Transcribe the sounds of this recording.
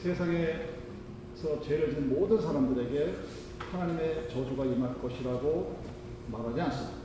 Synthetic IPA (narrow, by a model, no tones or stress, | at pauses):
sʰe̞sʰaŋe̞ | sʰʌt͡ɕe̞ɾɯɭd͡ʑunmodɯns̬ʰaɾamdɯɾe̞ɡe̞ | hanaɲime̞t͡ɕʌd͡ʑoɡaimaɭk͈ʌɕʰiɾaɡo | maɾɦad͡ʑians͈ɯmd̥